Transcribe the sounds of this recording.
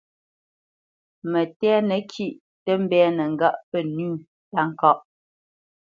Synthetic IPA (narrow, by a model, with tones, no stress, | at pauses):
mə˨tɛ˦nə˨kʰi˦˨ʔ | tə˦m̩˦bɛː˦nə˨ŋ̩˦˨ɡa˦ʔpə˦˨nʉː˦˨ | ta˦˨ŋ̩˦˨kɔ˦ʔ